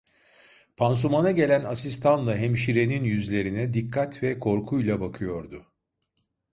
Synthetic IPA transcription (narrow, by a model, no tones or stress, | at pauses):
pʰans̬umanaɟe̞lʲænasist̪ʰanlˠaɦɛmʃiɾe̞ninjyzlʲe̞ɾinɛd̪ikʰːat̪vɛkʰo̞ɾkʰujlˠabakʰɯjo̞ɾd̪ʊ